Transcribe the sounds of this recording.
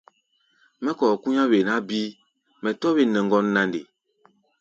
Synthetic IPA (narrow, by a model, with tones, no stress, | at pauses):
mɛ˦kɔ˨ku˦ɲa˦βe˨na˨˦bi˦ | mɛ˨tɔ˦βe˦nɛ˨ŋ˨ɡɔ˦nːa˦nde˨